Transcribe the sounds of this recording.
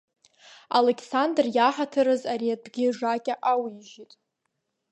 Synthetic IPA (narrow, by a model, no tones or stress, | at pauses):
a̰lekʰsandrjaħatʰɨɾɨzaɾiat̚bɡʲɪʐakʲʼaʔawiʒitʼ